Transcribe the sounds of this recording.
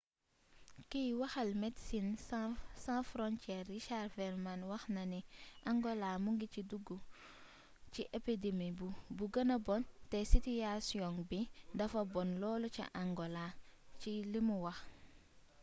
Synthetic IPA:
kiwɐxɐlmetsinssãfɾɔnt͡ʃɛrːiʃarfɛɾmanwɐxnɐniʔaŋɡolamuŋɡiciduɡu | t͡ʃiʔepidemibubuɡɐnɐbɔntesituasiɔ̃ŋbidɐfɐbɔnlɔːlot͡ʃḭʔaŋɡolat͡ʃilimuwɐx

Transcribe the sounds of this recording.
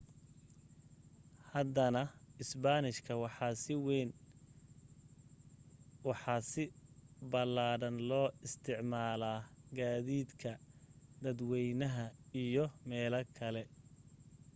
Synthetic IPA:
hɐd̪ɐnɐɪsbanɪʃkʰɐwɑħɑsɪwɛn | wɑħɑːsɪbɐlaːɽɐnlɔːɪst̪ʰɪʕmaːlaːɡaːðiːd̪kʰɐd̪ɐd̪wɛjnɐɦɐijɔmɛːlɐkʰɐlɛ

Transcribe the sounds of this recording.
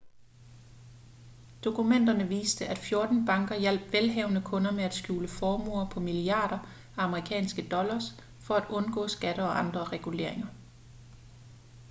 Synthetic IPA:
d̥o̝kʰumen̰d̥ɐnəʋḭːsd̥əʔæd̥fjo̝ɐd̥n̩b̥ɑ̈ŋɡ̥ɐjæl̰b̥ʋelɦɛʊnəkʰɔ̽nɐmeæd̥sɡ̥jṵːləfɒːmo̰ɐpʰɒ̽miliɑ̈ːɾ̥ɐ | æɑ̈məʁikʰɛ̰ːnsɡ̥əd̥ɒ̽lɐs | fɒ̽æd̥ɔ̽nɡ̥ɔ̰̽ːsɡ̥æɾ̥əɒ̽ʔɑ̈nd̥ʁɐʁɛɡ̥ule̝̰ɐ̰e̝ŋɐ

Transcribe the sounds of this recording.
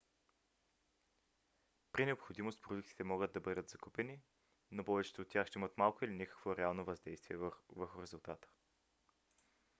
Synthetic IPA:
pɾinɛopxod̪imost̪pɾod̪uk̚t̪i̥t̪ɛmɔɡəd̪̚d̪ɐbɤd̪ət̪zɐkupɛni | nopɔvɛt͡ʃɛ̥t̪oːt̪ːʲjaxʃt̪ɛimət̪malˠkoilinʲikə̥kvoɾɛalˠnovɐzd̪ɛjst̪viɛvvəɾxʊɾɛzulˠt̪at̪ə̥

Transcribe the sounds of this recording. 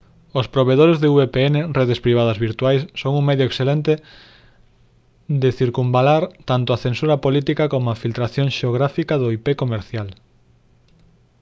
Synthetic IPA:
ospɾoβeðoɾezðeuβepeenereðespɾiβ̞aðɐzβiɾt̪uajsːoŋuŋmeðjʊeksθelent̪e | d̪eθiɾkumbalaɾt̪ant̪ʊaθensuɾɐpolit̪ikakomʊafilt̪ɾaθjõŋʃeoɣ̞ɾafikaðoipekomeɾθjal

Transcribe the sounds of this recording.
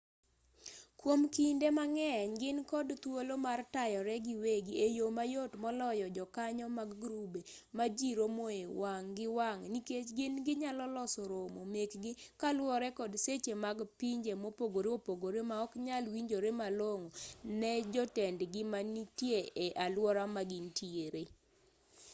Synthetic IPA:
kwomkindemaŋɛɲɡɪnkɔdt̪wolomartajɔɾɛɡɪweɡiejomajotmɔlɔjɔd͡ʒɔkaɲɔmaɡɡɾubemad͡ʒiɾomoewaŋɡɪwaŋniket͡ʃɡɪnɡɪɲalɔlɔsoɾomomekɡɪkalwɔɾɛkɔdset͡ʃemaɡpiɲd͡ʒemopoɡoɾeopoɡoɾemaɔkɲalwiɲd͡ʒoɾemaloŋonɛd͡ʒɔtɛndɡɪmanitjeeʔalwɔɾamaɡɪntʰieɾe

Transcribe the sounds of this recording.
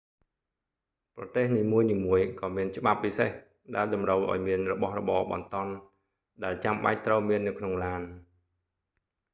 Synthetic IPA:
prɑt̪eːhniːmuəjniːmuəjkɑːmiənt͡ɕə̆ɓap̚ːiseh | ɗaɛlɗɑmrəwʔa̰ɔjmiənrɔɓɑhrɔ̰ɓɑːɓɑ̰nt̪ŏən | ɗaɛlt͡ɕamɓa̰c̚t̪rəwmiənːɨwkʰnoŋlaːn

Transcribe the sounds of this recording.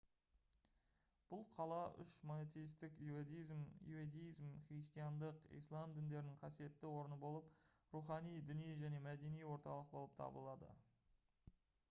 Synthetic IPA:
b̥ʊlˠqʰɑlˠɑʔʏ̰ʃmonet̪ejist̪ɪkjued̪ijzmjṵed̪ejizmχrist̪ijɑnd̪əqḭjslˠɑmd̪ɪnd̪e̞ɾɪnɪɴqʰɑsije̞t̪ːɪwo̞ɾənəbo̞lˠəpruχɑnijd̪ɪnijʒæne̞mæd̪e̞nijwo̞ɾt̪ɑ̰lˠəq̚bo̞lˠəp̚t̪ʰɑ̰bə̰lˠɑd̪ə̰

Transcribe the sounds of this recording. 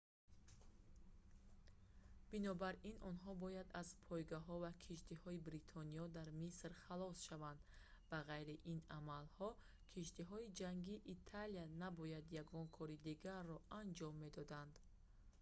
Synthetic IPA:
b̥inɔbaɾinɔnɦɔbɔjad̪azpʰɔjɡaɦɔvakʰiʃt̪ihɔibɾit̪ʰɔniɔd̪aɾmisɾχalɔsʃavand̪baʁajɾiʔinamalhɔ | kʰiʃt̪iɦɔid͡ʒaŋɡiʔːt̪ʰalianabɔjad̪jaɡɔnkʰɔɾid̪iɡaɾːɔand͡ʒɔmːe̞d̪ɔd̪and̪

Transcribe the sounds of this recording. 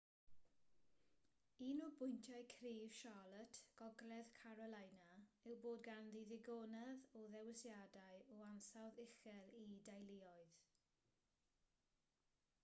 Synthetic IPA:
iːnɔbʊjntʰjaɨkʰriːv̥ʃalˠətʰɡ̥ɔɡlɛðkʰaɾɔlˠajnaɪwboːdɡanðiðɪɡɔːnɛðɔðɛwɪsjadaɨɔansaðɪxɛlidajlɪɔɨð

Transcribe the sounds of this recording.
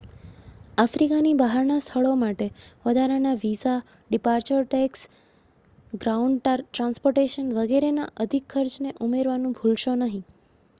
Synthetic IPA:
afɾikanibaɦaɾnast̪ʰəɭomaʈeʋəd̪ʱaɾanaʋisa | ɖipaɾt͡ʃəɾʈeks | ɡɾauɳɖʈaɾʈɾãnspoɾʈeʃənʋəɡeɾenaʔəd̪ʱikʰːəɾt͡ʃneʔumeɾʋanũbʱulʃonəɦĩ

